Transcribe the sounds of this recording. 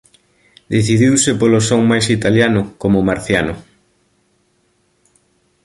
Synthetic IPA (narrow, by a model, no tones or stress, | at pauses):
d̪eθiðiwsɪpolosoŋmajsit̪aljanʊkomomaɾθjanʊ